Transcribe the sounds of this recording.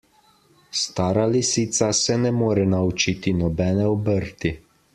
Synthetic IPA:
st̪aːɾalisiːt̪sasɛnɛmoːɾɛnaut͡ʃiːt̪inɔbɛːnɛɔbəɾt̪i

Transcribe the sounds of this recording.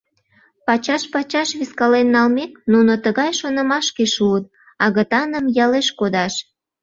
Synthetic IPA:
pɑt͡ɕɑʃpɑt͡ɕɑʃβiskɑlenːɑlmek̚nunot̪əɣɑjʃonə̆mɑʃkeʃuət̪̚ | ɑɣət̪ɑnəmjɑleʃkod̪ɑʃ

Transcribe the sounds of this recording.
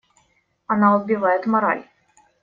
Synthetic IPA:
ɐnaɔd̪bʲɪvajɛt̪mɐɾa̰lʲ

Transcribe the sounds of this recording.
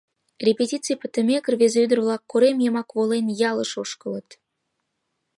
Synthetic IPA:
rʲepʲetʲit̪t͡sɨjpə̥̆t̪ə̆mʲekə̆rvezeyd̪ə̆rvlˠɑkːoɾemjemɑkvolenjɑlˠɤ̆ʃoʃkɤ̆lɤ̆t̪

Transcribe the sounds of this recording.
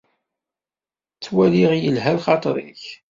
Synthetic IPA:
t͡sːwæliʁjəlɦælχɑt̪ˤɾḭç

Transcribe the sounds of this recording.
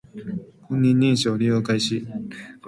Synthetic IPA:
hõɲːĩɲːĩɰ̃ɕoːɾʲijoːkaiɕi

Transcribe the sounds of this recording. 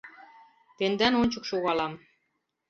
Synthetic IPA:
t̪end̪ænonʲt͡ɕɤ̆kʃoɣɑlɑm

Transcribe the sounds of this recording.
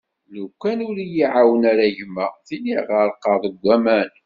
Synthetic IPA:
lukʷːænʊɾijiʕawənaɾæʝəmːæθiliʁəɾˤqɑðˤəɡʷːæmæn

